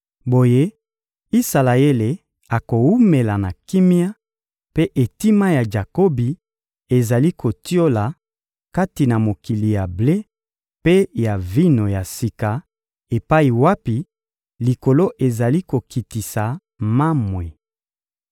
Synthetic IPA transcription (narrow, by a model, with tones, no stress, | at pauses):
bo˨je˦ | i˦sa˨la˨e˦le˨ | a˨ko˨u˦me˨la˨na˨ki˦mi˦a˦ | pe˦ʔe˨ti˦ma˦ja˨d͡ʒa˨ko˦bi˨ | e˨za˨li˦kʰo˨ti˦o˦la˨ | ka˦ti˨na˨mo˨ki˨li˨ja˨ble˦ | pe˦ja˨vi˦no˨ja˨si˨ka˨ | e˨pa˦i˨wa˦pi˨ | li˨ko˨lo˦ʔe˨za˨li˦ko˨ki˨ti˨sa˨ | ma˦mwe˨